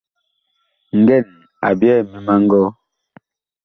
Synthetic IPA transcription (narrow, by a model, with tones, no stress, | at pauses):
ŋ̩˨ɡɛ˦˨n | a̰˨bjɛ˦˨mi˨ma˦ŋ̩˦ɡɔ˦